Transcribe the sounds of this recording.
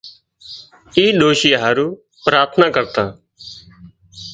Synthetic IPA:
iːɗoːʃiːɦaːɾuː | pɾaːɾt̪ʰnaːkəɾt̪ãː

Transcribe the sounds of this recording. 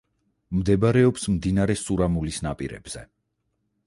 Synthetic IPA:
md̪ɛbaɾɛɔpsmd̪inaɾɛsuɾamulisnapʼiɾɛ̰b̥z̥ɛ̰

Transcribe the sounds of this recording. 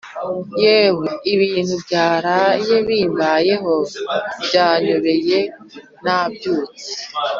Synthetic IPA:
jeɦeiβiːn̤hubjaːɾajeβiːmbajeɦobɟaːɲoβeje | nabjoːti̥

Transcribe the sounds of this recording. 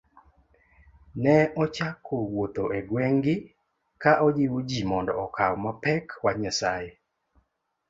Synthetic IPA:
nɛʔɔt͡ʃakʰːowot̪oʔeɡweŋɡɪ | kaʔɔd͡ʒiwod͡ʒimɔndɔɔkʰawmapɛkwaɲasaje

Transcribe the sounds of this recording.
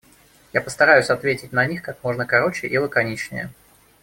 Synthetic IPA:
japə̥st̪ɐɾajʉsʲɐt̪vʲetʲɪt̚ʲnɐnʲixkak̚mo̞ʐnəkɐɾo̞t͡ɕɪʔilˠəkɐnʲit͡ɕnʲɪ̰jə̰

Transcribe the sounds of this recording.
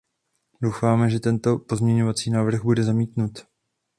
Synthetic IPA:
do̞wfaːmɛʒɛt̪ɛnt̪o̞po̞zmɲɛɲo̞vat͡siːnaːvr̩ɣbudɛzamiːt̪nut̪

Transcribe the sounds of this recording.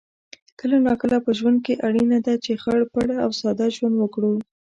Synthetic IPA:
kəlanɑkəlapəʒwand̪̚keʔaɽinad̪at͡ʃexaɽpaɽaawsɑd̪aʒwand̪wəkɽu

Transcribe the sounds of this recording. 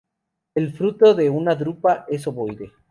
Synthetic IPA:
elfɾut̪o̞ðe̞unaðɾupaʔe̞s̬oβojðe

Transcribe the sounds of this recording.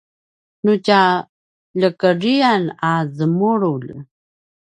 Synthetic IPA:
nut͡ɕa | ʎəkəɾianazəmuɾul

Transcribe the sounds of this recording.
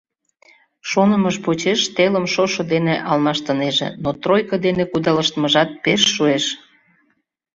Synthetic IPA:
ʃonəməʃpot͡ɕeʃt̪eləmʃoʃŏd̪eneʔɑlmɑʃt̪əneʒḛnot̪rojkəd̪enekud̪ɑləʃt̪əməʒɑt̪̚peʃːueʃ

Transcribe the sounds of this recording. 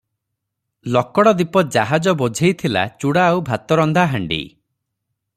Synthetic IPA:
lɔkɔɽɔd̪ipɔd͡ʒaɦad͡ʒɔbod͡ʒʱejt̪ʰila̰t͡ʃuɽaːwbʱat̪ɔɾɔnd̪ʱaɦaɳɖḭ

